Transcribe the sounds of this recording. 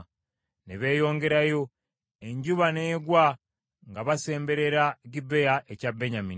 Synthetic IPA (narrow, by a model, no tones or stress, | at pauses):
neβe̞ːjo̞ːŋɡe̞ɾajo̞ | e̞ɲɟuβaneːɡwa | ŋɡaβase̞ːmbe̞ɾe̞ɾaɟibejaʔecabːeɲami